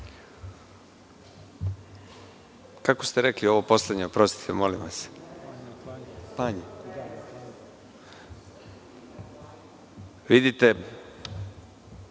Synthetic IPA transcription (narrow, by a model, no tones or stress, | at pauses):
kako̞st̪eɾeklio̞ʋo̞po̞slˠed̪ɲeopɾo̞st̪i̥t̪ʰemo̞limʋas | paɲe | ʋid̪it̪e